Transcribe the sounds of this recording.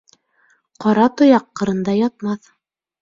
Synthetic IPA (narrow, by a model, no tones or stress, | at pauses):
qɑɾɑt̪ŏjɑqːɤ̆ɾɤ̆nd̪ɑjɑt̪̚mɑθ